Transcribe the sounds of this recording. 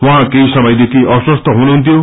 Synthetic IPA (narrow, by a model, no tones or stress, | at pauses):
wɔ̃ɦãkeɦisʌmʌjd̪ekʰiʔɔswɔst̪ʰɔɦunuɦunt̪ʰijõ